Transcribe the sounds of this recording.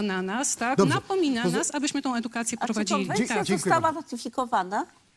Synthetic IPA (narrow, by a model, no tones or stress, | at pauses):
nanast̪ak̪ɔapɔmʲinaasabɘɕmɘt̪ɔ̃w̃ɛd̪ukat̪sʲjɛpɾɔvad͡ʑilʲiit̪akst̪awavat̪ɘfʲikɔvana